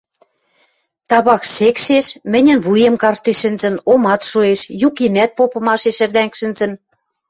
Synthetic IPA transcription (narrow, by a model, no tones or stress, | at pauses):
t̪ɑβɑkʃekʃeʃmɘ̆nʲə̆nβujemkɑrʃt̪eʃɘ̆nzə̆nomɑt̪ʃoeʃjukimæt̪̚popɤ̆mɑʃeʃĕrd̪æŋkʃɘ̆nzə̆n